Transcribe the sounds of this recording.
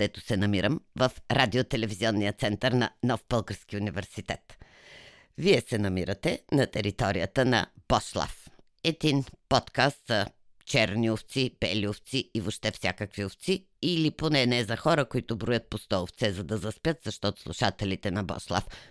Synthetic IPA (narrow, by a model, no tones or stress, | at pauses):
d̪̥ɛt̪ʊ̥sɛnɐmiɾəmvɐfɾad̪iot̪ɛlɛviziɔnːijət̪sɛnt̪əɾnɐnɔfpɤlˠkəɾsk̟iunivɛɾsit̪ɛt̪ | viɛsɛnɐmiɾət̪ɛnɐt̪ɛɾit̪ɔɾijət̪ənɐ̰b̥ɔslˠa̰f | ɛd̪inpɔt̪kast̪sɐ | t͡ʃɛɾnioft̪sibɛ̰lioft̪siivoʃt̪ɛfsʲja̰kəkvioft̪si | iliponɛnɛzɐxɔɾəkoit̪ʊbɾʊjət̪̚post̪ɔʊft̪sɛzɐd̪ɐzɐspjət̪z̥ɐʃt̪ɔt̪ʊ̥slˠuʃat̪ɛlit̪ɛnɐbɔ̰slˠa̰f